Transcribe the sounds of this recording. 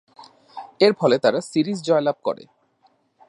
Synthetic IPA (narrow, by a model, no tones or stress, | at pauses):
eɾfʰɔlet̪aɾasiɾisd͡ʑɔelab̚ʱkɔ̰ɾḛ